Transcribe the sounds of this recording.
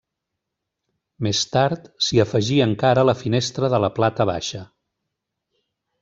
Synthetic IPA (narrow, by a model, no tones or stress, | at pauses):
mest̪aɾt̪siəfəʒiəŋkaɾələfinest̪ɾəðələplat̪əβa̰ʃə